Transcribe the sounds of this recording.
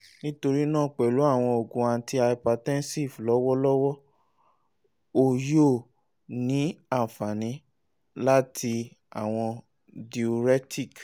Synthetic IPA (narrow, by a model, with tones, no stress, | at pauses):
nĩ˦to˧ɾi˦nãː˦˨k͡pɛ˨lu˨˦a˦˨w̃ɔ̃˧o˨ɡũ˨a˧˨˦ti˧a˧i˨pa˧˨tɛ̃˦nsi˦˨flɔ˦wɔ˦lɔ˦wɔ˦ | o˦˨jo˦˨ | nĩ˨˦a˦˨fa˨nĩ˨˦ | la˦tʰi˧ | a˨w̃ɔ̃˧ | di˨o˧ɾɛ˦tʰi˦˨k